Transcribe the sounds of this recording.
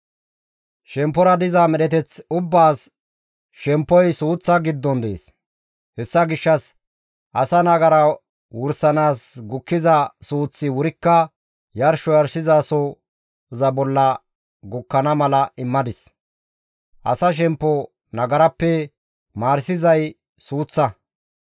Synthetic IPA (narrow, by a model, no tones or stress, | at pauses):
ʃɛmpːɔɾɐd̪ɪzamɛɗɛt̪ɛt͡sʊbːaːs | ʃɛmpːɔjsuːt͡sːɐɡɪd̪ːɔnd̪ḛːs | hɛsːɐɡɪʃːɐs | ʔɐsɐnɐɡɐɾɐ | wʊɾsɐnaːsɡʊkːɪzɐsuːt͡sːɪwʊɾɪkːɐ | jɐɾʃɔjɐɾsɪzaːsɔ | zɐbɔlːɐ | ɡʊkːɐnɐmɐlɐʔɪmːɐd̪ɪs | ʔɐ̰sɐʃ̬ɛmpːɔ | nɐɡɐɾɐpːɛ | maːɾsɪzɐj | suːt͡sːɐ